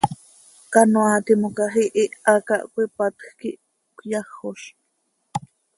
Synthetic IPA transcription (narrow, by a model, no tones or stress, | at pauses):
kanoat̪imokaɦiʔiʔaka̰ʔkʷipat̪xkiʔ | kʷjɑxoʃ